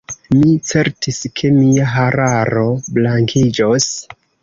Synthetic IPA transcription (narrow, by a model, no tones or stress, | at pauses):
mit͡se̞ɾtiskʰe̞miaɦaɾaɾo̞blaŋkʰid͡ʒos